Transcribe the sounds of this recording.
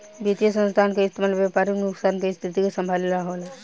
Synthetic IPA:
bit̪ijəsə̃nst̪ʰaːnkeɪst̪ʰimaːlʋjapaːɾiknʊksaːnkest̪ʰɪt̪ikasə̃mbʱaːllaɦoːlɛ

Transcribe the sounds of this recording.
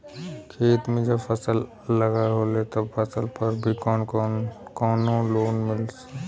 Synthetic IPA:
kʰeːt̪mẽd͡ʒəbpʰəsəlː | əɡaɦolet̪əbpəsəlpəɾbʱikɔːnkːkɔːnoloːnmɪls

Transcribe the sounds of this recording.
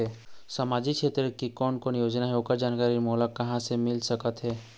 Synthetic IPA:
ɛsəmaːd͡ʒikt͡ʃʰeːt̪ɾəkikɔːnkɔːnjoːd͡ʒnaɦɛoːkəɾd͡ʒaːnkaːɾimolakːɐɦãsemɪlsəkət̪ɦɛː

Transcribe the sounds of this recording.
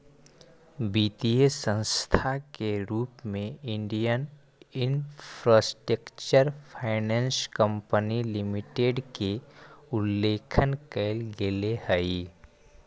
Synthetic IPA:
biːt̪iesə̃nst̪ʰakeɾuːpmẽɪ̃ɳɖijən | ɪnpʰɾaːsʈɾəkt͡ʃəɾpʰaɪnɛ̃ːnskə̃mpənilɪmɪʈeɖkeʊlːeːkʰənkeɪlɡelehəi

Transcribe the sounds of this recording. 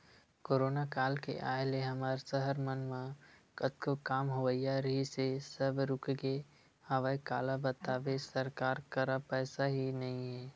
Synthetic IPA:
koːɾoːnakaːlkḛʔa̰ːeleɦɐmaːɾsəɦəɾmənmãkət̪kokaːmɦoʋəijaɾɐɦisesəbɾʊkɡe | aːʋaikaːlabət̪aːʋesəɾkaːɾkəɾapɛːsaɦinɐɦĩɦɛː

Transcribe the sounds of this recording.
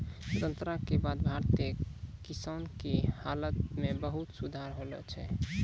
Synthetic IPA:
sɾənt̪ɾakebad̪̚bʱaɾt̪ekisankehalət̪mebəɦut̪sud̪ʱaɾɦolɛt͡ʃʰɛ

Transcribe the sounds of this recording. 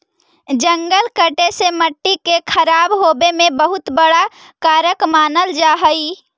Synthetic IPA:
d͡ʒəŋɡəlkəʈeseməʈːikekʰəɾaːbɦobemẽbəɦʊt̪bəɽa | kaːɾəkmaːnəld͡ʒaːɦəi

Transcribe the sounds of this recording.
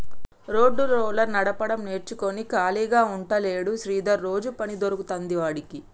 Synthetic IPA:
ɾo̞ːɖːuloːlɐnɐɽɐpɐɽɐmneːɾt͡ʃuko̞nikaːliːɡaːuɳʈɐle̞ːɽuʃɾiːd̪ɐɾːo̞ːd͡ʒupɐnid̪oɾukut̪ɐnd̪iʋaːɽiki

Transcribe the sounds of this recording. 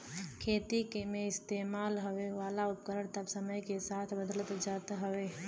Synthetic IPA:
kʰeːt̪ikemẽɪst̪eːmaːlɦəʋeʋaːlaʊp̚kəɾəɽ̃t̪ɐbsəməjkesaːt̪ʰbəd̪ələt̪d͡ʒaːt̪ɦɐʋeː

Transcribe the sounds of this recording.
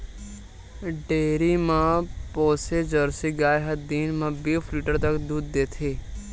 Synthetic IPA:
ɖeːɾimãpɔːsed͡ʒəɾseɡaːjɦɐd̪iːnmãbeːfʰliːʈəɾt̪ɐkd̪uːd̪ːeːt̪ʰeː

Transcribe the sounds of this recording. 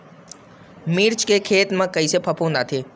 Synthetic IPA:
miːɾt͡ʃkekʰeːt̪mãkəisepʰəpʰɦõːnd̪aːt̪ʰeː

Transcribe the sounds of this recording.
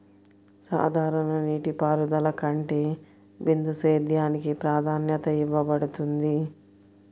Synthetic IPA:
sa̰ːd̪ʱaːɾɐnɐniːʈipaːɾud̪ɐlɐkɐɳʈeː | bind̪useːd̪jaːnikipɾaːd̪ʱaːnjɐt̪ɐiʋːɐbɐɽut̪und̪i

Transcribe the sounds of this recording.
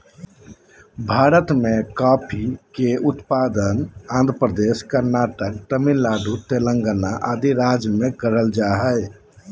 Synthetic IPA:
bʱaɾət̪mekapʰikeut̪pad̪ənãːnd̪ɾəpɾəd̪eskəɾnaʈək̚ʈəmilaɖut̪eləŋɡənaʔad̪iɾad͡ʒmẽkəɾəld͡ʒaɦəj

